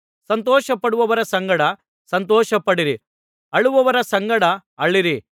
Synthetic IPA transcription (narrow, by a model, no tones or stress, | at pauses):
sɐnt̪̬ɔːʃɐpɐɽuʋɐʋɐɾɐsɐŋɡɐɽɐ | sɐnt̪ɔːʃɐpɐɽiɾi | ɐɭuʋɐʋɐɾɐsɐŋɡɐɽɐɐɭːiɾi